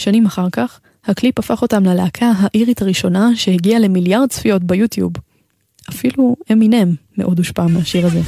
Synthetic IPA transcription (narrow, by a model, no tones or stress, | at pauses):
ʃanimaχaʁkaχ | haklipafaχo̞tamlalaakʰaɦaʔiʁithaʁiʃo̞naʃe̞heɡiale̞miljaʁdsfijo̞tbejutjṵb | afilueminemːeʔo̞duʃpamaʃiʁaze̞